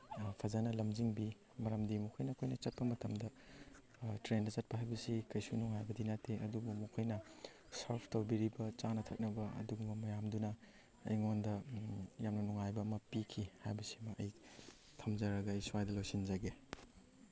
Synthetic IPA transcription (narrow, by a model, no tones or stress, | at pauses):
pʰɐzanɐlɐmd͡ʒiŋbi | mɐɾɐmdimukʰojnɐːkʰojnɐt͡ʃɐt̚pɐmɐtɐmdɐ | tɾendɐt͡ʃɐt̚pɐɦajbɐsikɐjsunuŋajbɐdinatʰeʔɐdubumukʰɐjnɐ | saɾpʰtɐwbiɾibɐt͡ʃanɐtʰɐk̚nɐbɐɐ̰duɡumɐmɐjamdunɐ̰ː | jŋondɐjamnɐnuŋajbɐːmɐpikʰihajbɐsiɐmɐʔɐ̰j | tʰɐmzɐɾɐɡɐːjsuwajdɐlowsind͡ʒaɡe